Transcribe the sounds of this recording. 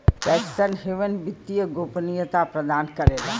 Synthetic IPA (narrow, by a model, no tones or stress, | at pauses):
pɛːkɪst̪anɦeʋənbit̪ːijəɡoːpnijət̪apɾəd̪aːnkəɾeːla